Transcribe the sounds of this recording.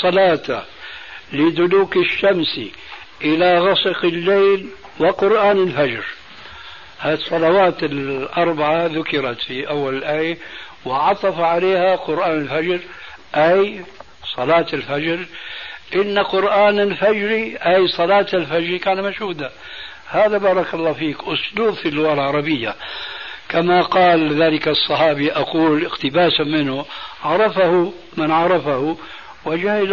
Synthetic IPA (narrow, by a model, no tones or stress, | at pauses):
sˤɑlɑːt̪a | lɪd̪ʊluːkɪʃːamsḭ | ʔɪlaɣɑsˤɨqɪlːeːl | wɪqʊɾʔaːnɪlfad͡ʒɾ | hasˤːɑlawaːt̪ɪlʔɑɾˤbaʕaðʊkɪɾɑt̪fiʔawːalɪlʔaːja | wɪʕɑt̪ˤɑfʕaleːhaqʊɾʔaːnɪlfad͡ʒɾʔaj | sˤɑlɑːt̪ɪlfad͡ʒɾʔɪnːaqʊɾʔaːnalfad͡ʒɾiʔajsˤɑlɑːt̪alfad͡ʒɾikaːnmaʃhuːd̪a | haːðabɑːɾˤɑkɑlˤːɑːfiːkʔʊsˤluːbfilːʊwaːlʕɑɾˤɑbɪjːa | kamaqɑːlðaːlɪksˤːɑħɑːbiʔɑquːlɪxt̪ɪbaːsamɪnhʊʕɑɾˤɑfahʊ | mɪnʕɑɾˤɑfahu | wɪd͡ʒahɪl